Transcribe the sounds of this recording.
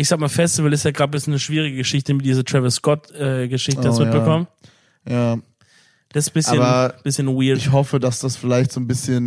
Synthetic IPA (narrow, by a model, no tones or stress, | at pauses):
ʔɪçzaːk̚maːfɛstɪvl̩ɪstjaːɡʁaːd̚bɪsnəʃv̥iːʁɪɡəɡəʃɪçtəmɪt̚diːzətʁ̥ɛvəskɔtʔɛːɡəʃɪçtəasmɪtbəkʰɔmə | jaː | d̥asbɪsaəːbɐb̥ɪsçənwɪːɐɪçhɔfədasd̥asfɪlaɪçtz̥oːnbɪsçən